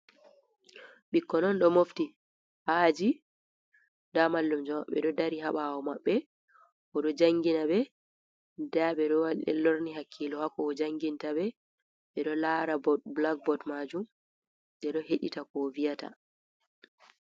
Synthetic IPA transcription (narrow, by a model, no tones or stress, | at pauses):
ɓikːɔnɔnɗɔmofti | had͡ʒi | ndamalːumd͡ʒɔmaɓɛ̰ɗɔdaɾiɦaɓawɔmaɓːɛ | ʔɔɗɔd͡ʒaŋɡinaɓɛ | daɓɛɗɔwalɗɛ̰lːoɾniɦakʰːilɔhakɔːd͡ʒaŋɡintaɓɛ | ɓɛɗɔlaːɾabɔblak̚bɔtmad͡ʒum | ɗɛɗɔheɗḭtakɔvijata̰